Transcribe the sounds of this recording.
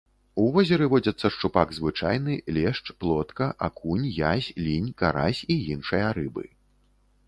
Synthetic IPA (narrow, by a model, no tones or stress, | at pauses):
uvɔzʲɛɾɨvɔd͡zʲɐt̪sːɐʂt͡ʂupaɡzvɨt͡ʂajnɨlʲɛʂt͡ʂplˠɔt̪kɐʔakunʲjasʲlʲinʲkaɾa̰sʲijinʂɨjɐɾɨbɨ̰